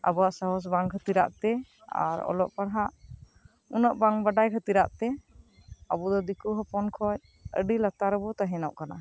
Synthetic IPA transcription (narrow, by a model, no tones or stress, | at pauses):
a̰bɔwaʔsaɦɔs̬baŋkʰət̪iɾa̰ʔt̪ɛ | a̰ɾɔ̰lɔ̰ʔpaɽɦaʔ | unəʔbaŋbaɖajkʰət̪iɾa̰ʔt̪ɛ | abud̪ɔd̪ikuɦɔpɔnkʰɔj | ə̰ɖilat̪aɾəbɔt̪aɦɛnɔʔkana